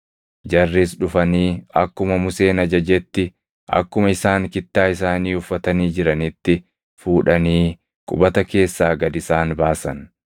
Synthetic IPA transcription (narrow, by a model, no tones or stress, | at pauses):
d͡ʒɐrːisɗʊfɐniːɐ̰kːʊmɐmʊse̞ːnɐd͡ʒɐd͡ʒɛt̪ːɪ | ʔɐ̰kːʊmɐɪsaːŋkɪt̪ːaːɪsaːniːʊfːɐt̪ɐniːd͡ʒɪɾɐnɪt̪ːɪ | fuːᶑɐniː | kʼʊbɐt̪ɐke̞ːsːaːɡɐd̪ɪsaːnbaːsɐn